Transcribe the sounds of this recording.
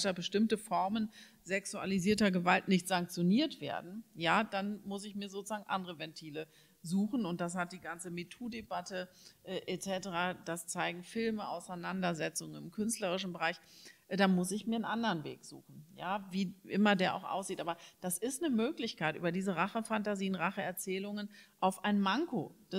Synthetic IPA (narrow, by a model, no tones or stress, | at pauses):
tabəʃtɪmtəfɔɐmən | zɛksua̰liziːɐtɐɡəvaltnɪçtz̥aŋk̚t͡sjoniːɐtv̥ḛːɐdn̩jaːd̥anmʊsɪçmiːɐzoːt͡suz̥aːɡŋ̩ʔa̰ndəʁəvɛntʰiːlə | zuːxn̩ʊntd̥as̬hat̚d̥iːɡant͡səmitʰuːdebatəʔɛːʔɛt͡sɛtəʁaːd̥ast͡saɪɡŋ̩fɪlməʔa̰ʊsaɪnandɐzɛt͡sʊŋənɪmkʰʏnstləʁ̞ɪʃn̩bəʁaɪçd̥anmʊsɪçmiːɐənʔandɐʁənvḛːkz̥ṵːxn̩jaːviːʔɪmɐdeːɐʔa̰ʊxʔa̰ʊsz̥iːtʔaːbɐd̥asɪstnəmøːklɪçkaɪtʔyːbɐdiːzəʁaχəfantaziːənʁaχəɛɐt͡sɛːlʊŋənʔaʊfʔaɪnmaŋko̰d̥a